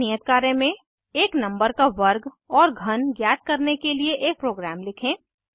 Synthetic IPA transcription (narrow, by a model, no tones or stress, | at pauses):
ijət̪̚kaːɾẽmẽ | eːknɐ̃mbəɾkaʋɐɾɡ | ɔːɾɡʱɐnɡjaːt̪̚kɐɾnekelieʔeːk̚pɾoːɡɾæːmlɪkʰẽː